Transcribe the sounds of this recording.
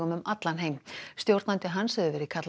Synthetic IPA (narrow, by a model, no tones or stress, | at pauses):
ʏmʏmat̪lanɦeːjmst̪jowɾt̪nant̪ɪɦanshɛðʏvɛːɾɪkʰat̪l